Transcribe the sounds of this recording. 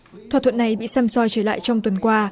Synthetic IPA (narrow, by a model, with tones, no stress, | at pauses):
t̪ʰwa˨˩t̪ʰə˧˨nːa˨˩jɓḭ˧˨sa˧msɔ˧jt͡ɕəː˧˩la̰ː˧˨jt͡ɕɔ˧wŋ͡mt̪wə˨˦nkwaː˧